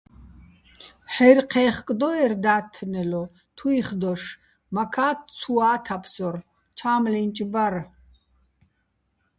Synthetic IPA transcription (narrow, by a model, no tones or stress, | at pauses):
ħɛrqʰɛːχkʼd̪ɔɛrd̪aːt̪ʰːnɛlɔ | t̪ʰuiχd̪ɔʂ | makʰaːt̪̚ʰt͡sʰuaːt̪ʰapʰsɔr | t͡ʃʰaːmlint͡ʃʼbar